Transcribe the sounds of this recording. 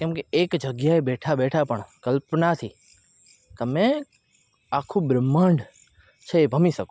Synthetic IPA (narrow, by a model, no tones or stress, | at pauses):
kɛ̃mkeekd͡ʒəɡjaebɛʈʰabɛʈʰapəɳkəlpnat̪ʰi | k̪əmẽ | akʰũbɾəmaɳɖ | t͡ʃʰeebʱəmiʃək